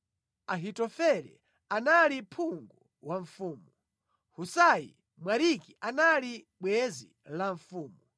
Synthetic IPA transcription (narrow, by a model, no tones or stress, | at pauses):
aɦitɔfɛlɛ̰ | analipʰuŋɡu | waɱfuːmu | husajḭ | mwaɾikiʔanali | ɓwɛzḭ | laɱfuːmu